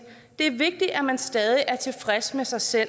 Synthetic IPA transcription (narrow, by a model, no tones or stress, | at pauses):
d̥e̝æɐʋe̝ɡ̥̚d̥iʔæmænsd̥ɛːð̞ˠiʔæɐt͡sʰe̝lfʁasmesɑ̈ɪsel̰